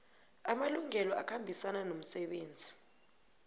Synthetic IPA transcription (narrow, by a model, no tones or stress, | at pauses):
amaluŋɛlɔakʰambʱisananom̩sɛɓeːnd͡zʱi